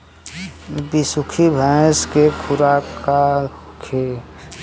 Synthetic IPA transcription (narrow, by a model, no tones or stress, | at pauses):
bisukʰibʱaːskekʰʊɾaakʰe